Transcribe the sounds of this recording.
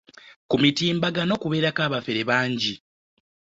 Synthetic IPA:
kumitiːmbaɡano̞kuβe̞ːɾakaːβafeɾe̞βaːɲɟi

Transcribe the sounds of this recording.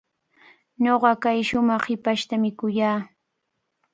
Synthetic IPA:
ɲoɢɑkajʃʊmɑχhɪpaʃt̪amɪkʊjaː

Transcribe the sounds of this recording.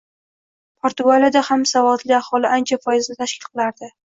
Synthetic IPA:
pʰoɾt̪ʊɡalijad̪ahamsavɒd̪lɪahɒlɪʔant͡ʃʰafɒjɪznɪt̪ʰaʃkʲɪlˠqʰɨlˠaɾd̪ɪ

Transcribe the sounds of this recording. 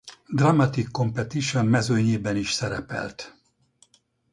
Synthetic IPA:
d̪rɑmːɑt̪ikːo̞mpɛt̪iʃommɛzøːɲeːbɛniʃsɛɾɛpɛ̰lt̪

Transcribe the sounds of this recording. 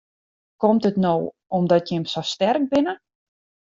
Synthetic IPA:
kɔmtətnow | ɔmdɔtjɪmsostɛrk̚bɪnə

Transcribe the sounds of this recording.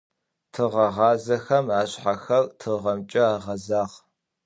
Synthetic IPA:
tʰɨʁɐʁɑːzɐxɐmaːɕħaxɐrtʰɨʁɐmt͡ʃʼɐaːʁɐzaːʁ

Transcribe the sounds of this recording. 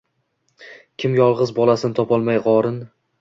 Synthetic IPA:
kʲʰɪmjɒlˠʁɨzbɒlˠasɪnt̪ʰɒpɒlˠmajʁɒɾɪn

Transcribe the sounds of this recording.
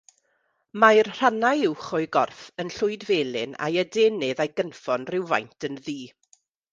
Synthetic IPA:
majrr̥anajɪwχʊɨɡɔrfənɬʊɨdveːlˠɪna̰jədeːnɨðajɡənfɔnrɪwva̰jntʰənðiː

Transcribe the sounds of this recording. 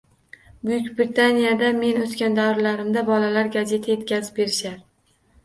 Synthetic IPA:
bʊjʊkʲbɾit̪ʰanijad̪ame̞not̪kʲand̪awɾlaɾɪmd̪abɒlalaɾɡʲaze̞t̪ʰaje̞t̪kʲazɪ̥p̚be̞ɾɪʃaɾ

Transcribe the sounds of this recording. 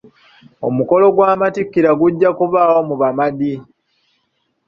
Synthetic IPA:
o̞̰muko̞lo̞ɡwaːmatikːiɾaɡuɟːakuβaːwomuβamadi

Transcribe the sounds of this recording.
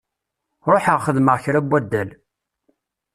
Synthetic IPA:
ɾˤoħəʁχəðməʁçɾæbːæd̪ːæl

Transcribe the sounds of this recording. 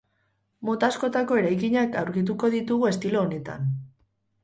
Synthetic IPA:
mo̞t̪asko̞t̪ako̞e̞ɾajkiɲakawɾɣit̪uko̞ðit̪uɣue̞st̪ilo̞ːne̞t̪a̰n

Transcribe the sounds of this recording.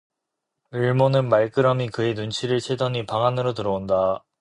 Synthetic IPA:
ɯɭmonɯnmaɭk͈ɯɾʌmikɯe̞nunt͡ɕʰiɾɯɭt͡ɕʰedʌnipaŋanɯɾotɯɾʌonda

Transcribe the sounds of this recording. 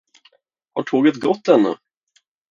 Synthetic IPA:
ha̰ʈʰoːɡət̪ɡɔt̪ːɛnːɵ̰

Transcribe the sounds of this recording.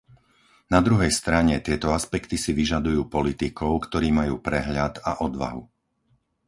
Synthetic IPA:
nad̪ɾuɦɛjst̪ɾaɲɛt̪ɪɛt̪ɔaspɛkt̪isiʋiʒad̪ujuːpɔlit̪ikɔʊkt̪ɔɾiːmajuːpɾɛɦʎad̪aʔɔd̪ʋa̰ɦu

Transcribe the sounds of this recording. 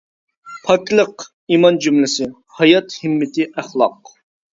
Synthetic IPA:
pʰɑk̪ʲlˠəq | imɑnd͡ʒymlɪsɪ | hɑjɑt̪hɪmːɪt̪ɪʔæχlˠɑq

